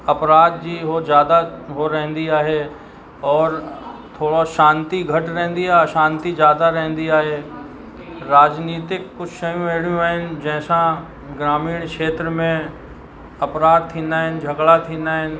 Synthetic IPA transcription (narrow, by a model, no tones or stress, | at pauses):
ɐpɾaːd̪̚d͡ʒiɦod͡ʒjaːd̪aɦoɾɛ̃ɦə̃nd̪iaːɦe | ɔːɾt̪ʰoːɽoʃãːnt̪iɡʱɐʈɾɛ̃ɦnd̪iaʃãːnt̪id͡ʒjaːd̪aɾɛ̃ɦnd̪iaːɦe | ɾaːd͡ʒniːt̪ɪkːʊt͡ʃʰsɐjũeːɽjũaɦɪnd͡ʒɛːsã | ɡɾaːmiːɽ̃kʃeːt̪ɾəmẽ | ɐpɾaːd̪̚t̪ʰĩːnd̪aɦɛnd͡ʒʱɐɡɭat̪ʰĩːnd̪aɦɛn